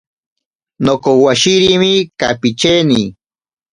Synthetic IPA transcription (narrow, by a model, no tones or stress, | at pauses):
nokowaʃiɾimikapit͡ʃeni